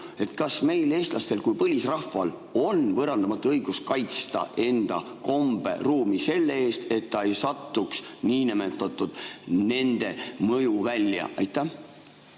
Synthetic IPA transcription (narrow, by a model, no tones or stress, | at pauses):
e̞t̪ːkɑsme̞jle̞ːst̪lʔɑst̪e̞lkujpɤlʲisrɑfɑl | o̞nvɤɾɑnd̪ɑmɑt̪ːˑuɤjɡ̥uskɑjt̪st̪ɑ̰ʔe̞nd̪̥ɑ̰ | ko̞mb̥e̞̰ruːmise̞lːeeːst̪e̞t̪ːɑe̞jsɑt̪ːuksniːnemet̪ːˑɑt̪ːˑud̪̥ne̞nd̪̥e̞mɤjuvælʲjɑ̰ʔɑjt̪ːˑæh